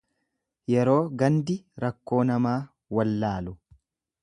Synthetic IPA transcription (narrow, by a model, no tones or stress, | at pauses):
jɛɾo̞ːɡɐnd̪ɪɾɐkːo̞ːnɐmaː | wɐlːaːlʊ